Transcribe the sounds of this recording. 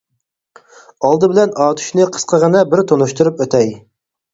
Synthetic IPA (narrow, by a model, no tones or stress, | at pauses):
ɑlˠd̪ɨbɪlɛnɑːt̪ʰy̥ʃnɨqʰə̥sqʰəʁənɑbɪɾt̪ʰonuʃt̪uɾupøt̪ʰɛj